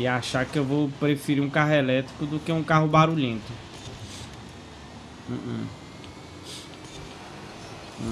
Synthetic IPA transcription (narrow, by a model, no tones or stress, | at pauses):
ɪaʃaɾkɪewvowpɾefiɾiũkaɦʊɛlɛt̪ɾi̥kʊd̪ʊkeũkaɦʊbaɾuʎẽt̪ʊ